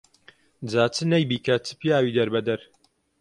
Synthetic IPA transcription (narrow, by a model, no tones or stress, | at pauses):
d͡zaːt͡sɨnɐjbiːkɐt͡sɨ̥pijaːwiːd̪ɐɾbɐd̪ɐɾ